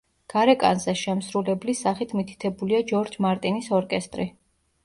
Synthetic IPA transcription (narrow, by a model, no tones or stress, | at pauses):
ɡ̥aɾɛkʼa̰nzɛʃɛmsɾulɛblisaχit̪ʰmit̪ʰi̥t̪ʰɛbuliad͡ʒɔɾd͡ʒmaɾt̪ʼinisɔɾkʼɛst̪ʼɾi